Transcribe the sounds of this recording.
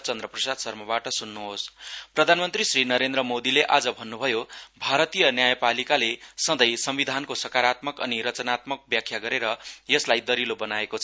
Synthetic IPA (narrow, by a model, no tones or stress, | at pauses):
t͡sʌnd̪rʌprʌsad̪sʌrmʌbaʈʌsunːuɦosprʌd̪ʱanmʌnt̪risrinʌɾend̪ɾʌmod̪ileʔad͡zʌbʱʌnːubʱʌjobʱaɾʌt̪ijʌnjajʌpalikalesʌd̪ʌjsʌmbid̪ʱankosʌkaɾat̪mʌkʌ̰niɾʌt͡sʌnat̪mʌk̚bjakʰjaɡʌɾeɾʌjʌslajd̪ʌɾilobʌnaekot͡sʰʌ